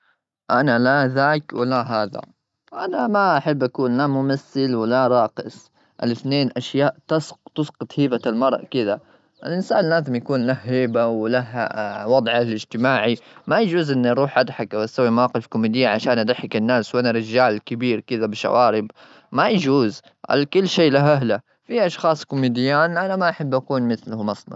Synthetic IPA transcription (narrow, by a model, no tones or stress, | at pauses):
ʔanalaðaːkwɪlaɦaːða̰ | ʔanamaʔaħɪbːʔakuːnlamʊmaθːɪlwɪlaɾˤɑːqɪsˤ | ʔa̰lɪθneːnʔaʃjaːʔt̪st̪ʊsqɑt̪ˤhiːbalmɑɾˤʔkɪða | ʔɪlʔɪnsa̰ːnɪlːaːðɪmjakuːnlahhiːbawlaɦwɑd̪ˤʕalɪd͡ʒt̪ɪmaːʕimajad͡ʒuːzʔɪnːʔɑɾˤuːħʔad̪ħakʔawʔast̪ːawːimawaːqɪfkʊmiːd̪ɪjːaʕaʃaːnʔad̪aħɪkɪnːaːswʔanaɾɪd͡ʒaːlkɪbiːɾkɪðabɪʃa̰wʔaːɾɪb | majad͡ʒuːz | ʔa̰lkʊlːʃeːlaɦʔaɦla | fiʔɑʃxɑːsˤkʊmiːd̪ɪjːaːnʔanamaʔaħabːʔakuːnmɪθlʊhmɑsˤnɑ̰